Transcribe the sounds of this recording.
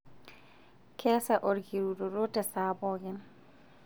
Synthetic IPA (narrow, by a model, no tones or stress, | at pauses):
kʰɛːsaʔoɾɡiɾudɔɾɔtɛsaːbɔɡɛn